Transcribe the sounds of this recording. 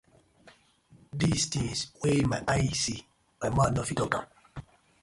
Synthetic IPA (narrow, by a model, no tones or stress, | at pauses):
distĩŋswemaʔajsi | ãmanɔfitɔtã̰m